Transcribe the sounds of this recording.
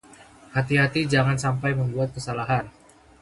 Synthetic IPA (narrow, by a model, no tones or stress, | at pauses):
hat̪iɦat̪id͡ʒaŋansampajməmbuat̪̚kəsalaɦan